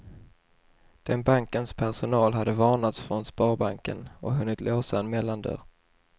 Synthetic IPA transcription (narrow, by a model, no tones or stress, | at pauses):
d̪̥ɛnbaŋkənspʰæɾʂʊnɑːlɦad̪ːəvɑːnat̪sfɾɔnspɑːɾbaŋkə̰nɔɦɵnːɪt̪lʔoːsaɛnmɛlːand̪œ̰ːɾ